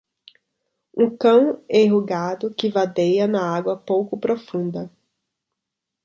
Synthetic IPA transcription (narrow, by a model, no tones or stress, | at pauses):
ũkɐ̃w̃eɦuɡad̪ʊkɪvad̪ejɐnɐaɡwɐpowkʊpɾofũnd̪ɐ